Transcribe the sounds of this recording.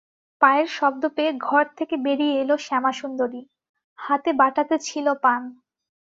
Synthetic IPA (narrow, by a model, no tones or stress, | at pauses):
paeɾʃɔb̚d̪opeɡʱɔɾt̪ʰekebeɾijeeloʃɛmaʃund̪oɾi | hat̪ebaʈat̪et͡ɕʰilopan